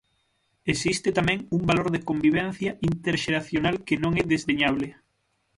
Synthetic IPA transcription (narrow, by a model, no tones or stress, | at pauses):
esist̪et̪amɛ̃ŋumbaloɾðekombiβ̞ɛnθjɐʔint̪eɾʃeɾaθjonalkenõŋɛðezðeɲaβ̞le